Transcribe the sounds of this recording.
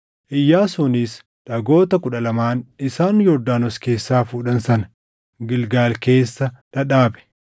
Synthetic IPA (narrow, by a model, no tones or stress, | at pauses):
ʔɪjːaːsuːniːs | ᶑɐɡo̞ːt̪ɐkʊᶑɐlɐmaːnɪsaːnjɔɾd̪aːnɔske̞ːsːaːfuːᶑɐnsɐnɐ | ɡɪlɡaːlke̞ːsːɐᶑɐᶑaːbɛ̥